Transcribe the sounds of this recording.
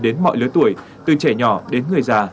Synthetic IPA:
ɗe˨˦nmɔ̰˧˨jlɨ˨˦jt̪u˧˩əj | t̪ɨ˨˩t͡ɕɛ˧˩ɲɔ˧˩ɗe˨˦nŋɨ˨˩əjzaː˧˩

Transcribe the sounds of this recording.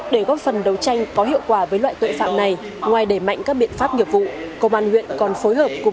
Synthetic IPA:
ɗe˧˩ɣɔ˨˦˥fə˨˩nɗə˨˦wt͡ɕa˧jŋ̟kɔ˨˦ɦḭ˧˨əwkwaː˧˩vəː˨˦jlwa̰ː˧˨jt̪o̰˧˨jfa̰ː˧˨mna˨˩j | ŋwaː˨˩jɗe˧˩ma̰˧˨jŋ̟kaː˦˥k̚ɓḭ˧˨ənfaː˦˥p̚ɲi˨˩əp̚vṵ˧˨kə˧ŋ͡mʔaː˧nhwḭ˧˨ənkɔ˨˩nfo˨˦jɦəː˨˩p̚k

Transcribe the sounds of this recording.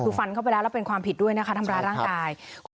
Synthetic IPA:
fa˧nkʰa˥˩wpa˧jlɛː˦˥wlɛː˦˥wpe˧nkʰwaː˧mpʰi˨˩t̪̚du˥˩əjna˦˥kʰa˦˥t̪ʰa˧mɾaː˧jɾaː˥˩ŋkaː˧jkʰ

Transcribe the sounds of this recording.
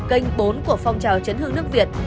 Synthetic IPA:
kə˧jŋ̟ɓo˨˦nku˧˩əfɔ˧wŋ͡mt͡ɕaː˨˩wt͡ɕə˨˦nhɨ˧˩əŋnɨ˦˥ək̚vi˨˩ət̚

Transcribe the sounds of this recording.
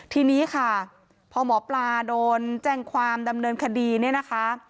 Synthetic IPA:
t̪ʰiː˧niː˦˥kʰa˥˩ | pʰɔː˧mɔː˩˦plaː˧doː˧nt͡ɕɛː˥˩ŋkʰwaː˧mda˧mnɤː˧nkʰa˧diː˧ni˥˩ɐna˦˥kʰa˦˥

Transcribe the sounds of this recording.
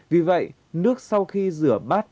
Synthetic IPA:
vi˨˩və̰˧˨j | nɨ˦˥ək̚sa˧wxi˧zɨ˧˩əɓaː˦˥t̚

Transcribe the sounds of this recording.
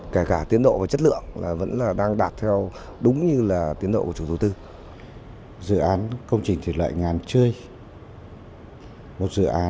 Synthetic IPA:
ke˧˩kaː˧˩t̪i˨˦ənɗo̰˧˨vaː˨˩t͡ɕə˦˥t̚lɨ̰˧˨əŋla̰ː˨˩və̰˧˥nlaː˨˩ɗaː˧ŋɗaː˨˩t̚t̪ʰɛ˧w | ɗʊ˨˦ŋ͡mɲɨ˧laː˨˩t̪i˨˦ənɗo̰˧˨˧kːə˨t͡ɕu˧˩t̪u˨˦t̪ɨ˧ | zɨ̰˧˨ʔaː˨˦nkə˧wŋ͡mt͡ɕï˨˩ŋ̟t̪ʰi˨˩lwa̰ː˧˨jŋaː˨˩nt͡ɕɨ˧əj | mo˨˩t̚zɨ̰˧˨ʔaː˨˦

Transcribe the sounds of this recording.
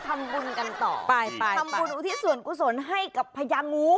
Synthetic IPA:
t̪ʰa˧mbu˧nka˧nt̪ɔ̰ː˨˩pa˧jʰa˧m˧bu˧nʔuː˧˦t̪ʰiː˦˥˩su˨˩ənku˧˩so˨˩˦nɦa˥˩jka˨˩pʰːa˧jaː˧ŋŋuː˦˥

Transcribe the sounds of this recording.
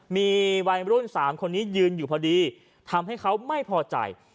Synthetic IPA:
miː˧wa˧jɾu˥˩nsaː˩˦mkʰo˧nːiː˦˥jɯː˧njuː˨˩pʰɔː˧diː˧ | t̪ʰa˧mɦa˥˩jkʰa˦˥wma˥˩jpʰɔː˧t͡ɕa̰˨˩j

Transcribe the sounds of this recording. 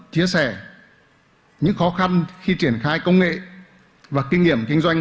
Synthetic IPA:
t͡ɕi˨˦əsɛ˧˩ | ɲɨ̰˧˥ŋxɔ˨˦xa˧nxi˧t͡ɕi˧˩ənxaː˧jkə˧wŋ͡mŋḛ˧˨ | vaː˨˩kï˧ŋːi˧˩əmkï˧ŋ̟zwa˧jŋ̟

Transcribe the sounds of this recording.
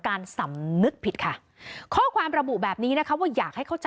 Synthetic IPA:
kaː˧nsa˩˦mnɯ˦˥k̚pʰi˨˩t̪̚kʰa˦˥˩ | kʰɔː˥˩kʰwaː˧mɾa˧bu˨˩bɛː˨˩p̚niː˦˥na˦˥kʰa˦˥waː˥˩jaː˨˩k̚ha˥˩jkʰa˥˩wt͡ɕa

